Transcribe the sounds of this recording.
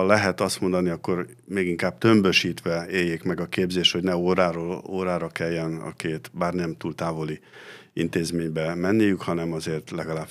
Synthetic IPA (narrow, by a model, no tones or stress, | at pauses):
lɛɦɛt̪ɒst̪mo̞nd̪ɒniɒkːo̞ɾ | meːɡiŋkaːb̥̚t̪ø̞mbø̞ʃiːt̪ʋɛeːjːekmɛɡɒkeːbzeːʃt̪ho̞ɟnɛoːɾaːɾooːɾaːɾɒkɛjːɛnɒ̰keːt̪baːrnɛmt̪uːlt̪aːvo̞li | ḭnt̪eːzmeːɲbɛmɛnːijykhɒnɛmɒzeːrt̪lɛɡɒlaːb